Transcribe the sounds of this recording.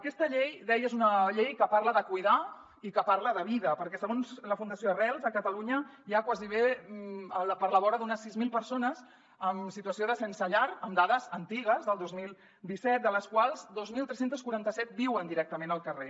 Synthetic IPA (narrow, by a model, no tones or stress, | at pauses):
əkɛst̪əʎejd̪ɛjəzunəʎejkəpaɾləðəkujða | ikəpaɾləðəβiðəpəɾkɛsəɣonzləfund̪əsijorɛlˠzəkət̪əluɲəjakwaziβ̞e | ələpəɾləβɔɾəðunəsːizmilˠpəɾsonəz | əmsit̪uəsioðəsɛnsəʎaɾəmd̪aðəzənt̪iɣ̞əzðəlˠd̪ozmilˠ | d̪isɛt̪̚d̪ələskwalˠzd̪ozmilˠt̪ɾɛsent̪əskuɾant̪əsɛt̪̚biwənd̪iɾɛk̚t̪əmenəlˠkəre